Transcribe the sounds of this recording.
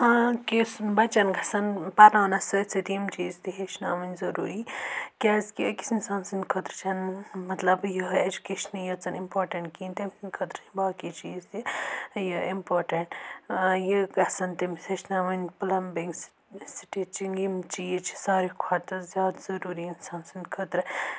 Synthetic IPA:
kisbɐt͡ʃɐnɡʱɐsɐnpɐɾnaːnɐsɨt͡sʰit̪imt͡ʃiːzt̪iɦeʃnaːmɐnʲzɐɾuːɾikʲaːzkiəki̥sinsaːnsinkʰɐt̪ɾt͡ʃʰɐnmɐt̪lɐbjɐed͡ʒukeːʃɐnijɐt͡sɐnimpoːɾʈɐɳʈkint̪emsinʲkʰɐt̪ɾt͡ʃʰɐnbaːkit͡ʃiːzt̪ijɐimpoːɾʈɐɳʈjiɡɐsɐnt̪emisʰeʃnaːmɐnʲpɐlɐmbeŋɡs | siʈit͡ʃiŋɡimt͡ʃiːzt͡ʃʰi̥saːɾikʰat̪ɐzʲjaːd̪zɐɾuːɾiːnsaːnsind̪kʰɐt̪ɾ

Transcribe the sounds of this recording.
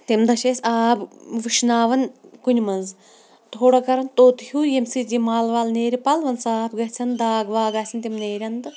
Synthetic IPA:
t̪imd̪ɐʃeːsaːbʋɨʃnaːʋɐnkunʲmɐnz | t̪ʰoːɽɐkɐɾɐnt̪oːt̪huːjemsid͡ʒimaːlʋaːlneːɾʲipɐlʋɐnsaːpɡɐɦt͡sʰɐnd̪aːɡʋaːɡaːsʰʲint̪imneːɾʲɐnd̪ɨ

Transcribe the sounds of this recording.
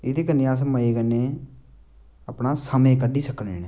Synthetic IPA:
ɪd̪iːkənːiaːs̬məeːkənːeː | əpnaːsəmẽːkəɖiːsəkʰːəneːne

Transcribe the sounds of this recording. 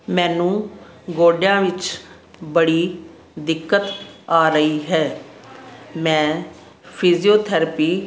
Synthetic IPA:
mɛ̃ːnũː | ɡoːɖjãːʋɪt͡ʃ | bəɽiː | d̪ɪkːət̪aːɾəiːɦɛː | mɛ̃ː | pʰiːzioːt̪ʰəɾəpiː

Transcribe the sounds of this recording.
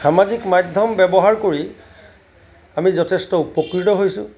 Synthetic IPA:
xamazikmadʱɔmbɛbɔɦaɹkoɹi | amizɔtʰestɔupɔkɹitɔɦojsʊ̃

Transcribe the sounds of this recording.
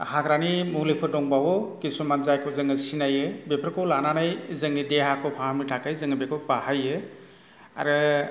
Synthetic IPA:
haɡɾanimulipʰɯdɔŋbawɔkisumanzajkʰɔzɯŋɯsinajɯbepʰɾkʰɔlananajzɯŋnideɦakʰɔpʰahamitʰakajzɯŋɯbekʰɔpahajɯ | a̰ɾɯ

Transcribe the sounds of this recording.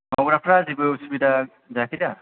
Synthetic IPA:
mɔɡɾapʰɾazibɯusibida | zakʰida

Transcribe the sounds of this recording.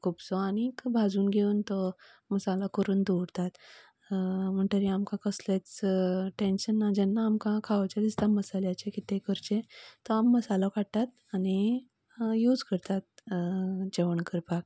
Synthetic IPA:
kʰuːbsɔanikbʱad͡zuːnɡʱeuːnt̪ɔ | məsalakəɾuːnd̪uɽt̪at̪ | m̤əɳʈ̪əɾiamkãkəslat͡sʈẽnɕənːad͡ʑɛnːaːmkãkʰaʋt͡ɕad̪ist̪aməsaljat͡ɕekit̪ekəɾt͡ɕẽt̪ɔamːəsalɔkʰaɽ̚t̪at̪ | añi | juːd͡zkəɾt̪at̪̚ | d͡ʑeʋəɳkəɾpak̚

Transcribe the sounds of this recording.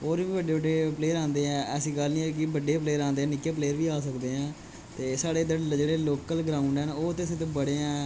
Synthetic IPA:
oːɾiːʋəɖeːbəɖeːpleːɾãːnd̪eːɛ̃ːɛːsĩːɡəlnĩːɛːk̬ɪbəɖːeːpleːɾãːnd̪eːɛ̃ːnɪkeːpleːəɾʋiːaːsəkd̪eːɦɛ̃ː | t̪eːsaːɽeːd̪ed͡ʒeːɽeːloːkəlɡɾaːʊɳɖɛːnoːt̪ɪsẽːt̪õːbəɽeːɛ̃ː

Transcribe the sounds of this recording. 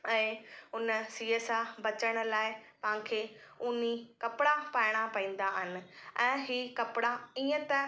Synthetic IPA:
ɛ̃ːʊnəsiːesabɐt͡ɕəɽ̃̆laːɪpɐãkʰeːʊnikɐpɪɽapaːɪɽ̃apɐĩːn̆d̪aɦɪnɪ̆ɛ̃ːɦiːkɐpɪɽaiːə̃t̪ɐ

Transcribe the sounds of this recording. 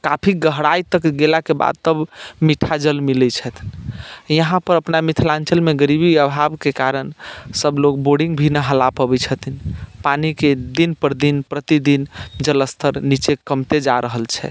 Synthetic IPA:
kapʰiɡəɦɽajt̪əkɡelakeba̰d̪̚t̪əbmiʈʰad͡ʒəlmilɛt͡ʃʰət̪ʰnjəɦãpəɾəpnamit̪ʰlãnt͡ʃəlmeɡəɾibiəbʱabkekaɾənsəblok̚boɖĩŋɡbʱinəɦəlapəbɛt͡ʃʰət̪ʰinpaniked̪inpəɾd̪inpɾət̪id̪ind͡ʒələst̪ʰəɾnit͡ʃekəmt̪ed͡ʒaɾʔəɦəlt͡ʃʰɛ̰

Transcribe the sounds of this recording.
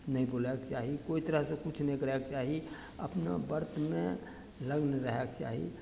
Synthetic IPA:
nəĩbolɛkt͡ʃaɦikoit̪əɾəɦsẽkut͡ʃʰnə̃kəɾɛkt͡ʃaɦi | ə̰pna̰bəɾt̪me | ləɡnɾəɦɛkt͡ʃa̰ɦḭ

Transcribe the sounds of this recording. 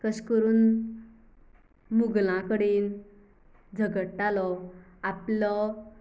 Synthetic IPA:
kəɕkəɾuːn | muɡlãkəɽiːn | d͡zʱəɡəʈːalɔaplɔ

